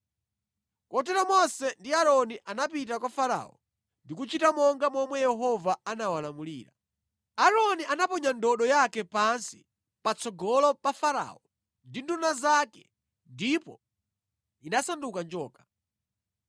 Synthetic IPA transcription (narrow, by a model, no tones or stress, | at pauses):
kɔtɛɾɔmɔsɛndiaɾɔniʔanapit̬akwafaɾa̰ɔ̰ | ndikut͡ʃitamɔŋɡamɔmwɛjɛɦɔvaanawalamuliːɾa | aɾɔniʔanapɔɲandɔɗɔjakɛpansi̥ | pat͡sɔɡɔlɔpafaɾa̰ːɔ | ndindunazakɛ | ndipɔ | inasandukand͡ʒɔːkḁ